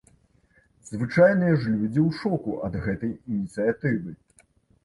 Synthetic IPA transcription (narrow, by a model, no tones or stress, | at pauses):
zvɨt͡ʂajnɨjɐʐlʲud͡zʲiwʂɔkuʔɐd̪ɣɛt̪ɐjinʲit̪sɨjat̪ɨvɨ